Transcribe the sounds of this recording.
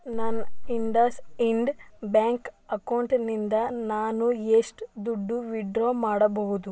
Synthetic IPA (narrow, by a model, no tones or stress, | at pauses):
nɐniɳɖɐsiɳɖbaːŋkɐkɐwɳʈnind̪ɐnaːnueʂʈd̪uɖːuʋiɖɾoːmaːɽɐbɐɦud̪u